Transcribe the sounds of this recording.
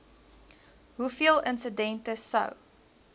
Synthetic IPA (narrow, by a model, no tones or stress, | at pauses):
ɦufiəlˠənsədɛntəsɐ̰w